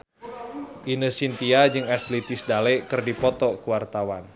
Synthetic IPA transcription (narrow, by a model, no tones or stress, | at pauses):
ʔinəsint̪iad͡ʒɨŋaslit̪ɪsdalɛkɨrdipɔt̪ɔkuwart̪awan